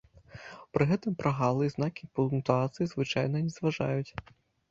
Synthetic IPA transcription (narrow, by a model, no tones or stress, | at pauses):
pɾɨɣɛt̪ɨmpɾʔaɣalˠɨznakʲipulˠnt̪uat̪sɨjizvɨt͡ʃajnɐnʲɛzʋaʐa̰jʊt͡sʲ